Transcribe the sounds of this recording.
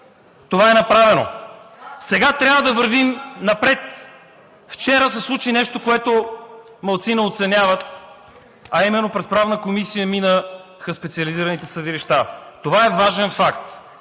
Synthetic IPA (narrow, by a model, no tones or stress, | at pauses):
t̪ovaɛnɐpɾavɛno̰ | sɛɡat̪ɾʲavəd̪ɐvəɾvimnɐpɾɛt̪ | ft͡ʃɛɾəsɛslˠut͡ʃinɛʃt̪okoɛt̪o | mɐlˠt̪sinəot̪sɛnʲjavət̪ | ɐimɛnːopɾɛspɾavnəkomisijəminəxəspɛt̪siəliziɾənit̪ɛsəd̪iliʃt̪at̪ovaɛvaʒɛnfakt̪